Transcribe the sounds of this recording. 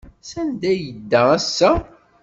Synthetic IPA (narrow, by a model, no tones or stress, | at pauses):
sænd̪æjəd̪ːææsːæ